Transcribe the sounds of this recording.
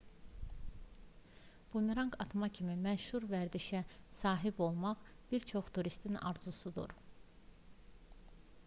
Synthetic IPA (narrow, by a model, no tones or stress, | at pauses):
b̥umiɾɑŋkʰɑt̪mɑcʰimimæʃhuɾvæɾd̪iʃæsɑːɦibo̞lˠmɑʁ | b̥iɾt͡ʃʰo̞χt̪ʰuɾist̪ʰinɑ̰ɾzusud̪ṵɾ